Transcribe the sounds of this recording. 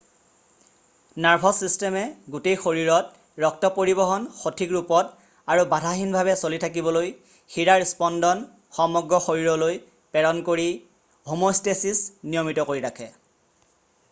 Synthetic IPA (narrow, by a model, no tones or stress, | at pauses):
naɹpʰɔsistɛmɛɡutejxoɹiɹɔt̚ | ɹɔk̚tɔpoɹibɔɦɔnxotʰikɹupɔt | aɹubadʱaxinbʱaβɛsolitʰakibɔloj | xiɹaɹispɔndɔn | xɔmɔɡɹɔxoɹiɹɔloj | pɛɹɔnkoɹi | omostesisnijɔmitɔkoɹiɹakʰɛ